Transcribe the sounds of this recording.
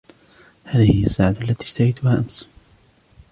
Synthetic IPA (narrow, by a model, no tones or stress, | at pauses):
haːðɪhɪjasːaːʕad̪ʔalːat̪iːʃt̪ahajt̪ʊhaːʔams